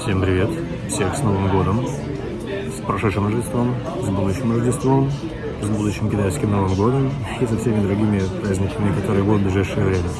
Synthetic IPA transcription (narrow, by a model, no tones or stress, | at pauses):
fsʲe̞mpɾʲɪvʲe̞t̪ | fsʲe̞xsno̞vɨmɡo̞d̪əm | spɾɐʂɛt̪ʂɨmrəʐdʲɪst̪vo̞m | zbud̪ʊɕːɪmrəʐdʲɪst̪vo̞m | zbud̪ʊɕːɪmkʲɪt̪ajskʲɪmno̞vɨmɡo̞d̪əmɐɕesɐfsʲemʲɪd̪ɾʊɡʲimʲɪpɾazʲnʲɪkəmʲɪɪkɐt̪o̞ɾɨjəbud̪d̪̚blʲɪʐajʂːɨjəvɾʲemʲə